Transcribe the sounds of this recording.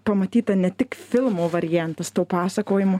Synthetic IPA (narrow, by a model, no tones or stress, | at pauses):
pɐmɐt̪ʲiːt̪ɐnʲɛt̪ʲɪkfʲɪlˠmoːʋɐɾʲɪjænt̪ɐst̪oːpɑːsɐkoːjɪmʊ